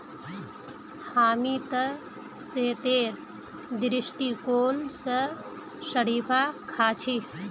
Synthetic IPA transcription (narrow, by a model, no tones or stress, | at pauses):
haːmit̪ə | seːt̪eɾ | d̪ɾisʈikoːnsə | səɽiːpʰakʰaːt͡ʃʰi